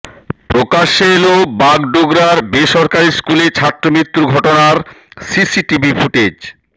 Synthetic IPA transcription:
pɾokaʃeelobaɡɖoɡɾaɾbeʃɔɾkaɾiskulet͡ɕʰat̪ːɾomɾit̪ːuɡʱɔʈonaɾsisiʈibʱifuʈed͡ʑ

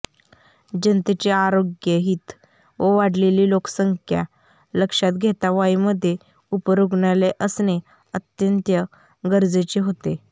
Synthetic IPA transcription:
d͡ʑənt̪et͡ɕeaɾoɡjəɦiːt̪ | ʋəʋaɽleliːloksəŋkʰja̰ | ləkʂat̪̚ɡʱet̪aʋaiməd̪ʱːje | upəɾoɡɳaleʔəsne | ət̪jənt̪jə | ɡəɾd͡zet͡ɕeɦot̪e

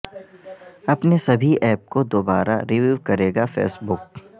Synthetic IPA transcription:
ɐpnesɐbʱiʔɛːp̚kod̪oːbaːɾa̰ɾiʋuːʋkɐɾeːɡafḛːsbʊk̚

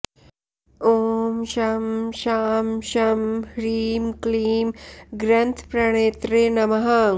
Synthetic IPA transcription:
oːmʃɐmʃaːmʃɐmhɾiːmkliːmɡɾɐnt̪ʰpɾɐɽ̃eːt̪ɾenɐmɐɦɐ

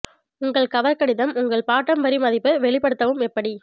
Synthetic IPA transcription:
ʊŋɡɐɭkɐʋɐɾkɐɽɪðɐmʊŋɡɐɭpaːʈːɐmʋɐɾimɐðɪpːɯʋɛɭɪpɐɽɯt̪ːɐʋɯmɛpːɐɽi

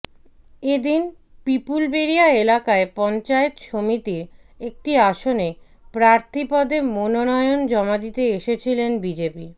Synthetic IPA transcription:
ed̪in | pipulbeɾiaelakaepɔnt͡ɕaet̪ʃomit̪iɾ | ek̚ʈiaʃone | pɾaɾt̪ʰipɔd̪emononɔeond͡ʑɔmad̪it̪eeʃet͡ɕʰilenbid͡ʑepi

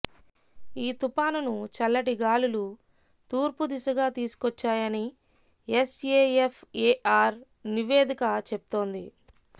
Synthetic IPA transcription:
iːt̪upaːnunut͡ʃɐlːɐʈiɡaːlulu | t̪uːɾpud̪isɐɡaːt̪iːsu̥kɔt͡ʃːaːjɐni | eseːefʰeːʔaːɾ | niʋeːd̪ikɐt͡ʃep̚u̥t̪o̞ːnd̪i

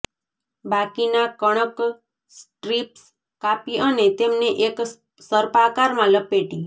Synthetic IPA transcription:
bakinakəɽ̃ək | sʈɾips | kapiənet̪emneʔek | səɾpakaɾmãləpːeʈĩ

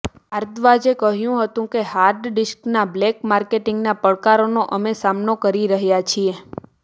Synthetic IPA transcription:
aɾd̪ʋad͡ʒekəɦjũɦət̪ũkehaɾɖɖɪsknablekmaɾkeʈĩŋɡnapəɭkaɾonoʔəmesamnokəɾiɾəɦjat͡ʃʰie

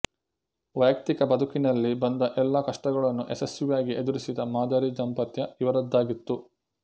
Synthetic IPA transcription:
ʋɐjɐk̚t̪ikɐbɐd̪ʱukinɐlːibɐnd̪ɐʔɛlːɐkɐʂʈɐɡɐɭɐnːuʔesesjujaːɡiʔed̪uɾisid̪ɐmaːd̪ɐɾid͡ʒɐmpɐt̪jɐiʋɐɾɐd̪ːaːɡit̪ːu

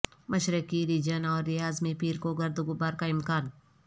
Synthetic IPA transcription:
mɐʃɾəkiɾiːd͡ʒənɔːɾːɪjaːzmẽpiːɾkoɡɐɾd̪ʊɡʊbaːɾkaɪmkaːn

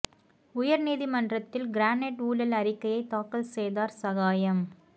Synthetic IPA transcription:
ʊjɐɾniːðimɐndrɐt̪ːɪlɡɪɾaːneʈuːlɐlɐɾɪkːɐjɐɪt̪aːkɐlsejðaːɾsɐɣaːjɐm

